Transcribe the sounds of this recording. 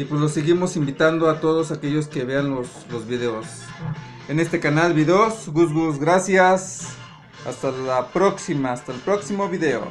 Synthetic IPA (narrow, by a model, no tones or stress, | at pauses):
ipwezlo̞seɣimo̞simbit̪and̪oat̪o̞ðosake̞ʝo̞ske̞βe̞anloslozβiðeos | ene̞st̪e̞kanalβiðeosɡusɣusɡɾasjas | ast̪alapɾoksimast̪aelpɾoksimo̞βiðe̞o̰